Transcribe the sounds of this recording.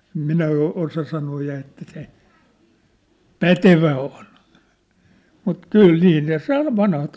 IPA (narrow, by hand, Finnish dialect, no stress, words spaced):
ĕm minæ o osɑ sɑnoː jɑ etːæ se pæteʋæ on mut kyl niː ne sɑ ʋɑnhɑt